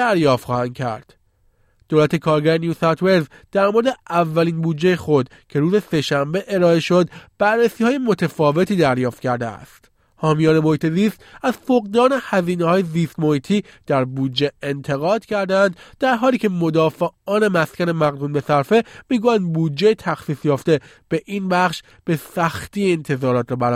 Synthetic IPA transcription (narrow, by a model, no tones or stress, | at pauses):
d̪æɾjɒːft̪xɒːhænd̪̚cʰæ̰ɾd̪̥ | d̪̥oːlæt̪ʰekʰɒːɾɡæɾenjusɒt̪ve̞ɾz | d̪̥æɾmoɾed̪eʔævːæliːnbuːd̪d͡ʒːe̞jexo̞d̪ | cʰe̞ɾuːze̞se̞ʃæmbe̞ʔeɾɒːeʃo̞d̪b̥æɾːesiːhɒːje̞mo̞t̪ʰefɒːve̞t̪ʰiːd̪æɾjɒːft̪̚cʰæɾd̪ḛæ̰st̪ | hɒːmijɒːne̞mo̞hiːt̪ʰe̞ziːst̪æz̥foɣd̪ɒːnehæziːnehɒːjeziːst̪mohiːt̪ʰiːd̪̥æɾbuːdd͡ʒeent̪ʰe̞ɣɒːd̪̥cʰæɾd̪eænd̪d̪̥æɾɦɒːliːcʰe̞mo̞d̪ɒːfeɒːne̞mæscʲæne̞mæɣd̪uːnbe̞sæɾfe̞miːɡuːjænd̪̚buːdd͡ʒːejt̪ʰæxsiːsjɒːft̪e̞ | b̥e̞ʔiːnbæxʃ | b̥e̞sæxt̪iːent̪ʰe̞zɒːɾɒːt̪ɾɔːbæɾ